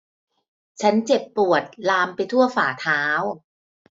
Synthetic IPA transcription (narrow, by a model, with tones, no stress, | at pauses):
t͡ɕʰa˦˥nt͡ɕe˨˩pːu˨˩ət̪̚laː˧mpa˧jt̪ʰu˥˩ɐfaː˨˩t̪ʰaː˦˥w